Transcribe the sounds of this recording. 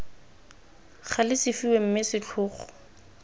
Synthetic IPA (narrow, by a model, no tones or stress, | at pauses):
χalɪsɪfiwem̩mɪsɪt͡ɬʰʊːχɔ̥